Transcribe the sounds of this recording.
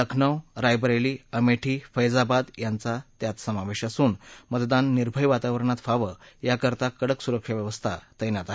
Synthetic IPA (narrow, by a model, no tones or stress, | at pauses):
ləkʰɳəwɾajbəɾajliːəmeʈʰiːfəjd͡zabad̪jant͡sat̪jat̪səmaʋeɕasuːnmət̪d̪anːiɾbʱəjʋat̪aʋəɾəɳat̪faʋəjakəɾt̪akəɽəksuɾəkʂəʋjəʋəst̪ʰa̰t̪əjnjat̪aɦ